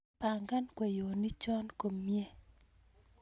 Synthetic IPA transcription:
pa˨ŋɡa˦nkwe˨jo˨ni˦t͡ʃɔ˦nko˨mje˦˨

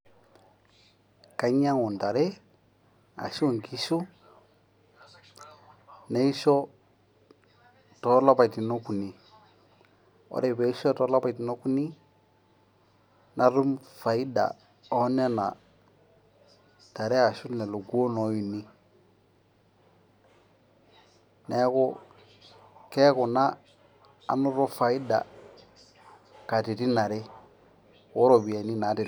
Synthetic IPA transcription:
ka˦ɲa˦ŋu˨nta˨ɾɛ˦ | a̰˨ʃo˦ŋki˦ʃu˦ | ne˦i˦ʃɔ˦ | tɔ˨˦la˦pa˨ti˨no˦ku˨ni˨ | ɔ̰˦ɾɛ˨be˨˦ʃɔ˦tɔ˦la˦pa˨ti˨no˦ku˦ni˦ | nʔa˨ɾu˦mfa˨i˦da̰˨ | ɔ˦ne˦na˨ | ta˨ɾe˦a˨ʃu˦tnɛ˨lu˨ɡu˦o˦nɔ˨˦ju˨ni˦ | nɛ˦kʊ˦ | kɛ˦kʊ˨na̰ː˦˨ | nu˦ɾo˦fa˨i˦da̰˨ | ka˨ti˨ti˦na˨ɾe˦ | wo˦ɾo˨bi˨a˨ni˦na˨˦ti˨

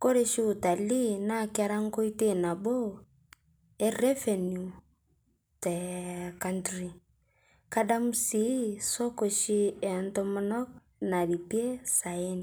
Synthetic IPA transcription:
ko˦ɾe˦ʃi˦u˨ta˨li˦na˦˨ka˦ɾa˦ŋ˦ko˦i˦te˦˨na˨bo˦ | ɛ˦rɛ˦fɛ˨nju˨ | tɛ˨ka˦ntɾi˨ | ka˦da˦mu˦si˨˦sɔ˦ko˨ʃi˦ɛ˨ntɔ˦mɔ˦nɔ˦k̚ | na˨li˨pi˦e˦sa˨e˦ni˨

